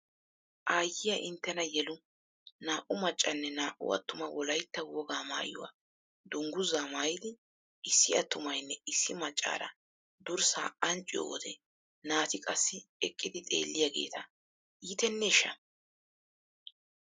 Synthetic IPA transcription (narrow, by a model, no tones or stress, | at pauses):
ʔaːjːɪjɐʔɪnt̪ːɛnɐjɛlʊ | naːʔʊmɐt͡ʃʼːɐnːɛnaːʔʊ̰ɐ̰t̪ːʊmɐwɔlɐjt̪ːɐwɔɡaːma̰ːjʊ̰wa̰ | d̪ʊŋɡʊzaːmaːjɪd̪ɪ | ʔɪsːɪɐt̪ːʊmɐjnːɛɪsːɪmɐt͡ʃʼːa̰ːɾɐ̰ | d̪ʊɾsa̰ːɐnt͡ʃʼːɪjɔ̰wɔd̪ɛ | naːt̪ɪkʼɐsːɪɛkʼːɪd̪ɪt̪ʼe̞̰ːlːɪjaːɡe̞̰ːt̪ʰɐ | iːt̪ɛnːɛɪʃːɐ